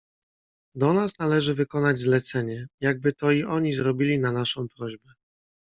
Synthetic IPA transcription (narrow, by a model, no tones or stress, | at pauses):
d̪ɔnasnalɛʐɘvɘkɔnad͡ʑzlɛt̪sɛɲɛjaɡ̚bɘt̪ɔiʔɔɲizɾɔbʲilʲinanaʂɔ̃w̃pɾɔʑbɛ